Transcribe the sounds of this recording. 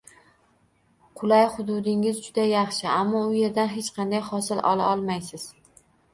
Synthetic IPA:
qʰʊlˠajχʊd̪ʊd̪ɪŋɪzd͡ʒʊd̪ajɑχʃɪamːɒʊje̞ɾd̪anɦet͡ʃqʰɑnd̪ajhɒsɪlʔɒ̰lˠa̰ɒlˠmajsɪz̥

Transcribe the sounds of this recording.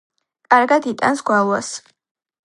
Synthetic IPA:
kʼaɾɡad̪it̪ʼa̰nsɡwalˠwas

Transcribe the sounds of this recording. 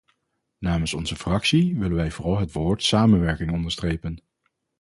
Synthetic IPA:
naːmənsɔnzəfrɑksiʋɪlənʋɛjvʊːrɑlˠɦətʋoːɹtsaːmənʋɛɹkɪŋɔndəɹstrejpən

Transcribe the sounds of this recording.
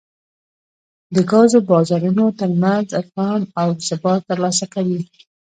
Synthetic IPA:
d̪əɡɑzobɑzɑɾunot̪əɾmanzafɣɑnawsɪbɑt̪ːəɾlɑs̬akawi

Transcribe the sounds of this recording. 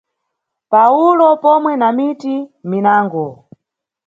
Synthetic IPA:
paulɔpɔmwɛnamitiminaːŋɡɔ

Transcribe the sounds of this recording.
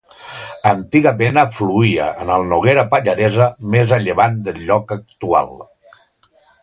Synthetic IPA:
ənt̪iɣamenafluiə̰ənəlˠnoɣeɾapaʎaɾezəmezəʎeβand̪əʎɔkək̚t̪ua̰lˠ

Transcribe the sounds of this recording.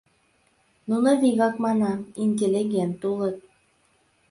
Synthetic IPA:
nunɤvʲiɣɑkmɑnɑinʲtʲelʲːiɡʲent̪ulˠɤt̪̚

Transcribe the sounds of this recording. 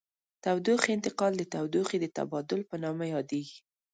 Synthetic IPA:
t̪awd̪oxiɪnt̪ɪqɑld̪ət̪awd̪oxid̪ət̪a̰bɑd̪ʊlpənɑmajɑd̪eɡi

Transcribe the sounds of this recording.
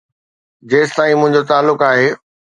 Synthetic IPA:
d͡ʑeːst̪aːĩmʊ̃ɦɪ̃ɲd͡ʑot̪aːlːʊkaːɦeː

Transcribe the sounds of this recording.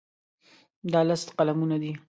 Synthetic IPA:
d̪ɑlast̪qalamunad̪i

